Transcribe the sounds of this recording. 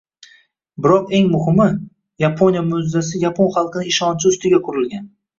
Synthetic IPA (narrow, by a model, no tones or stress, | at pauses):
bɪɾɒqe̞ŋmʊhɪmɪ | japʰonʲijamʊzːasɪjapʰonχɑlˠqɨnɪɪʃɒnt͡ʃʰɪʊst̪ɪɡʲakʰʊɾɪlɡʲan